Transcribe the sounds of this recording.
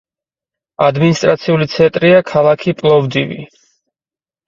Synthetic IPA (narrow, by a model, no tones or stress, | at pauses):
ad̪minist̪ʼɾat̪sʰiulit̪sʰɛnt̪ʼɾiakʰalˠakʰipʼlˠɔvd̪ivḭ